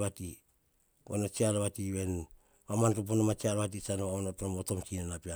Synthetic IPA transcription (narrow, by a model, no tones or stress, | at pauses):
βati | ɡonot͡ʃiaɾaβatiβe̞n | mamantop̬onomat͡ʃiaɾβat̬it͡ʃanoaonotnomoto̞mt͡ʃinenapia